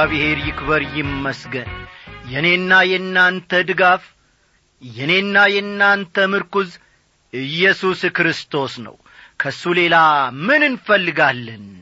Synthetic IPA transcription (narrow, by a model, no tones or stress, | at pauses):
βɨhe̞ɾjɪkbəɾjɪmːəsɡənjɛne̞nːajɛnːant̪ʰəd̪ɨɡaf | jɛne̞nːajɛnːant̪ʰəmɨɾkuz | ɨjːɛsuskɾɨst̪ʰo̞snə̰w | kʰəsːule̞lamɨnɨnfəlːɨɡalːən